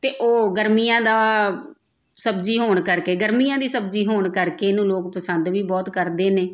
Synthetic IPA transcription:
t̪eːʔoːɡəɾmiːjãːd̪aː | səbd͡ʒiːɦoːɳkəɾkeːɡəɾmijãːd̪iːsəb̚d͡ʒiːɦoːɳkəɾkeːnũːloːkpəsənd̪ʋiːbɔːt̪kəɾd̪eːneː

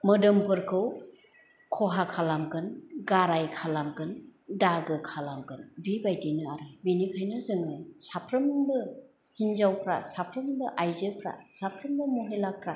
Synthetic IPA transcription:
mɯdɯmpʰɯɾkʰɯw | kʰɔɦakʰalamɡɯnɡaɾajkʰalamkɯndaɡɯkʰalamkɯnbibajtinɯaɾɯbinikʰajnazɯŋɯjsapʰɾɯmbɯ | hinzawkʰɾa̰sapʰɾɯmbɯʔajzɯpʰɾa̰sapʰɾɯmbɯmuɦelakʰɾa

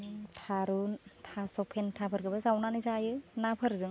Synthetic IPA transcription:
tʰaɾutʰasɔpʰentʰapʰɯɾkʰɯbasawnanɯzajɯnapʰɯɾzɯŋ

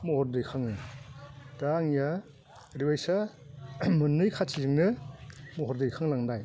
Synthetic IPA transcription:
mɔhɔɾdɯjkʰaŋɯ | d̥aŋja | ɾiwajsa | mɯnːɯjkʰatʰizɯŋnɯmɔɦɔɾdɯjkʰaŋlaŋdaj

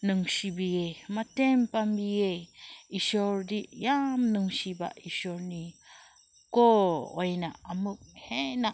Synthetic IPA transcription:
nəŋɕibiematempambijeiʃoɾdiʔjamnəŋɕiba̰ʔiʃɔɾni | koojnaamuk̚hena

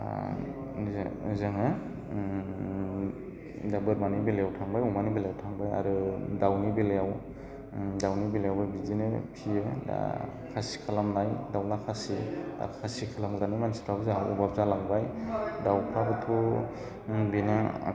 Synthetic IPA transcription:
zaŋɯ | dabɯɾmanibelejawtʰaŋbajumanibelejawtʰaŋbaja̰ɾɯdawnibelejaw | dawnibelejawbajbizinɯpʰijɯa̰ | kʰasi̥kʰalamnajdawnakʰasia̰ɾɯkʰasikʰalamɡɾanimanstɾabzawubab̚zalaŋbajdawpʰabɯtʰu | bina̰

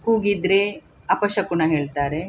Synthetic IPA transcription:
kuːɡid̪ɾe | ɐpɐʃɐkunɐɦeːɭt̪aːɾe

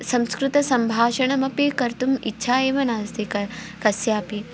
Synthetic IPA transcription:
sɐ̃mskɾut̪ɐsɐmbʱaːʃɐɳɐmɐpikɐɾt̪umitːʃʰaːeːʋɐnaːst̪ʰi | kɐsjaːpi

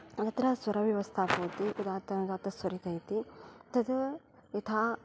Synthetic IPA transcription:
t̪ɐt̪ɾɐsʋɐɾɐʋjɐʋɐst̪ʰaːpoːt̪iʔud̪aːt̪ɐnd̪aːt̪ɐsʋɐɾik̪ɐjt̪it̪ɐd̪ | it̪ʰaː

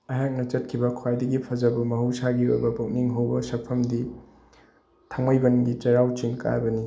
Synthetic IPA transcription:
ɐɦak̚nɐt͡ʃɐt̚kʰibɐkʰowajdɐɡipʰɐzɐbumɐɦusaɡio̰jbɐbok̚niŋɦowbɐsɐk̚pʰɐmdi | tʰaŋmajbɐnɡit͡ʃɐɾawt͡ʃiŋka̰ɾbɐni

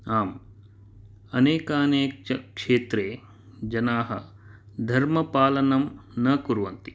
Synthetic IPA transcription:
aːm | ɐneːkaːneːkɐkʂeːt̪ɾeː | d͡ʒɐnaːɦɐ̰ | d̪ʱɐɾmɐpaːlɐnɐmnɐkuɾʋɐnt̪i̥

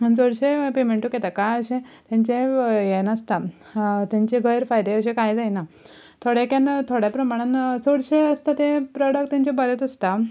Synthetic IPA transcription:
ənt͡soɽɕepemeɳʈukɛt̪akajəɕẽt̪jãɲt͡ɕẽjenəst̪a | t̪jãɲt͡ɕeɡʱəjɾfajd̪eəɕẽkajd͡zajna | t̪ʰoɽjekjãnt̪ʰoɽjapɾəmaɽ̃ãnt͡soɽɕeəst̪at̪ẽpɾɔɽək̚ʈt̪jãɲt͡ɕebəɾət̪əst̪a

